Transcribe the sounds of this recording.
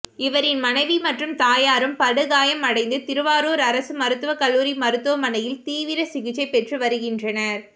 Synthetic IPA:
ɪʋɐɾɪnmɐnɐɪʋimɐʈrɯmt̪aːjaːɾɯmpɐɽɯɣaːjɐmɐɽɐɪnd̪ɯt̪ɪɾɯʋaːɾoːɾɐɾɐsɯmɐɾɯt̪ːɯʋɐkɐlːuːɾimɐɾɯt̪ːɯʋɐmɐnɐjɪlt̪iːʋɪɾɐsɪɣɪt͡ʃːɐɪpɛʈrɯʋɐɾɯɣɪndrɐnɐɾ

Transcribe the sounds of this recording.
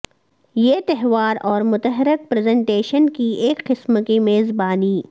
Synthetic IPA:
jeːt̪ɛɦʋaːɾɔːɾmʊt̪əɦɪɾɪk̚pɾːzɛ̃ɳʈeːʃənkieːkqɪsməkimeːzbaːniː

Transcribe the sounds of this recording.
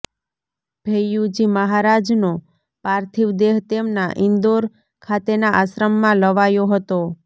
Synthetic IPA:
b̥ʱejud͡ʒiməɦaɾad͡ʒno | paɾt̪ʰiʋd̪eɦt̪emnaʔɪnd̪oɾ | kʰat̪enaʔasɾəmːãləʋajoɦət̪o

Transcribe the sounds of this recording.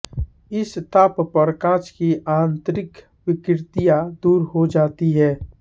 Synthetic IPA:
ɪst̪aːppəɾkãːt͡ʃkiʔãːnt̪ɾɪk | wɪkɾt̪ijad̪uːɾɦod͡ʒaːt̪iɦɛː

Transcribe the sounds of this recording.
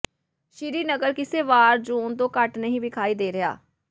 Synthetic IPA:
ʃɪɾiːnəɡəɾkɪseːʋaːɾd͡ʒuːnt̪õːkəʈnəɦĩːbɪkʰaːiːd̪eːɾɪja̰ː

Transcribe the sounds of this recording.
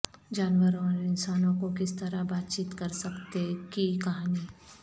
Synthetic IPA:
d͡ʒaːnʋəɾɔ̃ɾɪnsaːnõkokɪst̪ɐɾabaːt̪t͡ʃiːt̪kɐɾsɐkt̪ekikɐɦaːni

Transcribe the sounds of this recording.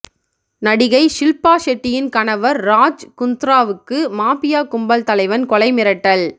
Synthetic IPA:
nɐɽɪɣɐɪʂɪlpaːʂɛʈːɪjɪnkɐɳɐʋɐɾːaːd͡ʒkʊnt̪ɾaːʋɯkːɯmaːpɪjaːkʊmbɐlt̪ɐlɐɪʋɐnkɔlɐɪmɪɾɐʈːɐl

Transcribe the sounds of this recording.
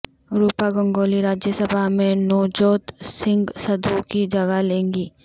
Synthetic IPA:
ɾuːpaɡə̃ŋɡoːliɾaːd͡ʒjəsəbʱamẽnɔːd͡ʒoːt̪sɪ̃ŋɡsɐd̪ʱukid͡ʒɐɡalẽːŋɡiː

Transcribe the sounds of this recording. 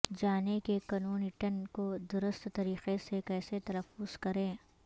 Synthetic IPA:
d͡ʒaːnekekɐnoːnɪʈənkod̪ʊɾʊst̪ːɐɾiːqesekɛːset̪ɐləfʊz̥kɐɾẽː

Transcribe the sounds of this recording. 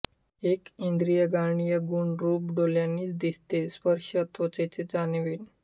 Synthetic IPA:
ekind̪ɾijəɡaɳ̃ijəɡuɳɖɾupɖoljanːiːt͡sd̪ist̪espəɾʃət̪ʋot͡set͡sed͡zanʋiːn

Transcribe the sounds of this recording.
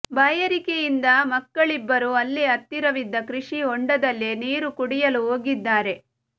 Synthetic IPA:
bɐjɐɾikejind̪ɐmɐkːɐɭibːɐɾuɐlːiɐt̪ːiɾɐʋid̪ːɐkɾiʂiɔɳɖɐd̪ɐlːiniːɾukuɽijɐluɦoːɡid̪ːaːɾe̞

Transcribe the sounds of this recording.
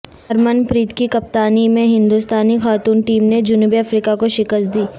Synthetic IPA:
ɐɾmənpɾiːt̪kikɐp̚t̪aːnimẽɦɪ̃nd̪ust̪aːnixaːt̪uːnʈiːmned͡ʒʊnuːbiɐfɾiːkakoʃɪkəst̪̚d̪iː

